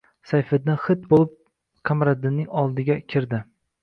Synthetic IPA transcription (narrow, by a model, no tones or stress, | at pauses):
sajfɪd̪anχɪt̪bolˠɪp̚ | qʰɑmɾad̪ɪnːɪŋɒlˠd̪ɪɡʲakʲʰɪɾd̪ɪ